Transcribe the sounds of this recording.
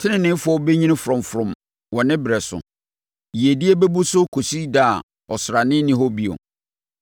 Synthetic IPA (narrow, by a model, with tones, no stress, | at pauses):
tʰɪ˦nɪ̃˨nɪ̃˦fʊ˦ɔ˦be˦ɲĩ˦nɪ̃˦fɔ̃˨mfʊɾʊ̃˨m | wɔ̃˨nɪ̃˦bɾɛ˨sʊ̰˨ | ji˨e˨di˦e˦bɛ˦bu˦sʊ˦kʰo˨si˦da˦˨ | ɔ˨sɾa˨nɪ̃˦nɪ̃˦ɦo˦bi˦ɔ̰˨